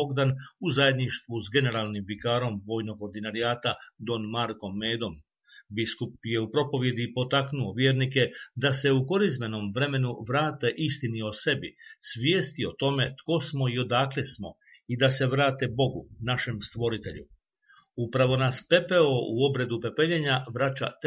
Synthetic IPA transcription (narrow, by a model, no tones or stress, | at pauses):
oɡd̪anuzaje̞d̪niʃt̪ʋuzɡe̞ne̞ɾaːlˠnimbikaːɾo̞mʋo̞jno̞koɾd̪inaɾijaːt̪ad̪o̞nmaɾko̞mːeːd̪o̞m | biskup̚je̞upɾo̞po̞ʋje̞d̪ipo̞t̪aknuoʋjeːɾnike̞d̪ase̞uko̞ɾizme̞no̞mʋɾe̞me̞nuʋɾaːt̪e̞ʔist̪inio̞se̞bisʋjeːst̪io̞t̪o̞me̞t̪ko̞smo̞io̞d̪aːklesmo̞̰ | id̪ase̞ʋɾaːt̪e̞bo̞ɡṵnaʃe̞mst̪ʋo̞ɾit̪e̞̰ʎṵ | upɾaʋo̞naspe̞pe̞o̞uo̞bɾe̞d̪upe̞pe̞ʎeɲaʋɾat͡ʃa̰t̪